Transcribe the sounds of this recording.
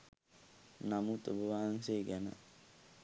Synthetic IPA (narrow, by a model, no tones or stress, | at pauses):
namut̪əbəʋaːŋseːɡɛnə̰